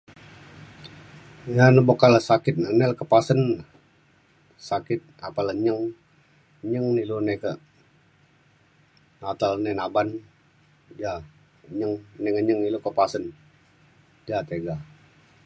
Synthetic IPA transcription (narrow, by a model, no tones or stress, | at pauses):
janəbokalasakɪt̪̚nəneləkəpasənə | sakɪt̪̚apalaɲəŋ | ɲəŋnilunekə | nat̪alnenaban | d͡ʒa | ɲəŋneŋəɲəŋilukəpasən | d͡ʒat̪eɡa